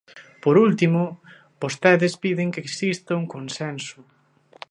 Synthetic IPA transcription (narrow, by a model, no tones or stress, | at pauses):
poɾult̪imʊ | bost̪ɛðɪspiðɪŋkeksist̪ɐuŋkonsɛnsʊ